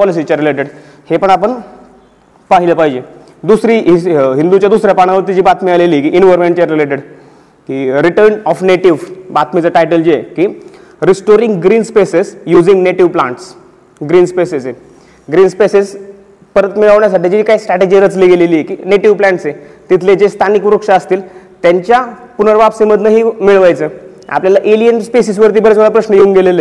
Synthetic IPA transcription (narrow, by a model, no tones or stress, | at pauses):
pɔlis̬it͡ɕaɾileʈeɽ | hepəɳapəɳ | paɦiləpaɦid͡ʑe | d̪usɾiːɦiɦind̪ut͡ɕjad̪usɾjapaɽ̃aʋəɾt̪it͡ɕiːbat̪mialeliːkiʔinʋɔɾmẽɳʈt͡ɕaɾileʈeɽ | kiːɾiʈəɾnɔfneʈiʋbat̪mit͡səʈajʈəld͡ʑiekiː | ɾisʈoɾiŋɡɡɾiːnspesesjud͡ziŋɡneʈiʋplãɳʈs | ɡɾiːnspesese | ɡɾiːnspeses | pəɾət̪miɭaʋɳjas̬aʈid͡ʑiiːkaisʈɾaʈed͡ʑiɾət͡sliɡeleliːekiːneʈiʋplaɳʈset̪it̪ʰled͡ʑest̪ʰanikuɾəkʂaəst̪iːlt̪jaɲt͡ɕja | punəɾʋapsiməd̪ʱnəɦiːmiɭʋajt͡səː | a̰pljalaʔeliənspesis̬ʋəɾt̪̬iːbəɾet͡skaɭapɾəɕnəjeuŋɡelele